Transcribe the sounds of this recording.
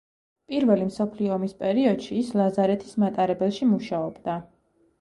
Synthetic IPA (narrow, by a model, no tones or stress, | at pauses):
pʼiɾvɛlimsɔpʰliɔːmispʼɛɾiɔd̪̥ʃiːslˠazaɾɛt̪ʰi̥smat̪ʼaɾɛbɛlˠʃimuʃaɔbd̪a